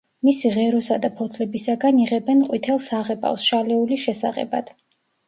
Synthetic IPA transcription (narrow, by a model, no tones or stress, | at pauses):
misiʁɛɾɔsad̪apʰɔt̪ʰlɛbisaɡaniʁɛbɛnqʼwit̪ʰɛlˠsaʁɛbʼa̰fsʃalɛuliʃɛsaʁɛ̰bad̪̥